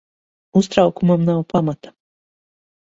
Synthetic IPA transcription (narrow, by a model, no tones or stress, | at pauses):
ust̪ɾawkumamnawpamat̪ḁ